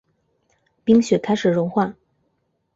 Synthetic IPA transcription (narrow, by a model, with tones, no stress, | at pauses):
pi˥ŋɕɥɛ˧˥kʰa˥ɪʂɻ̩˨˩ɻʊ˧˥ŋxwa˥˩